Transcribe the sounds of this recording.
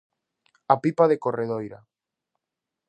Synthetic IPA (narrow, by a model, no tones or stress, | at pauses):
apipaðekoreðojɾa